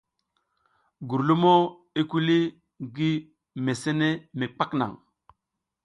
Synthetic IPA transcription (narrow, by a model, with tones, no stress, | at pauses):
ɡu˨ɾlu˦mo˦ | i˦ku˦li˦ | ɡi˦ | me˨se˦ne˦me˨k͡pa˦kna̰˨ŋ